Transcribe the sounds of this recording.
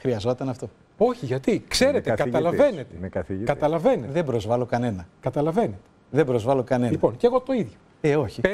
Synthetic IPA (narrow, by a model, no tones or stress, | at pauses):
xɾiɐzo̞t̪ɐnɐft̪o̞ | o̞çiʝɐt̪ikse̞ɾet̪ekɐɐlɐve̞net̪emekɐθikɐt̪ɐlɐve̞neðe̞bɾo̞zvɐlo̞kɐne̞nɐkɐt̪ɐlɐve̞net̪eðembɾo̞zvɐlo̞kɐne̞lipo̞nceɣo̞t̪o̞iðʝo | eoçi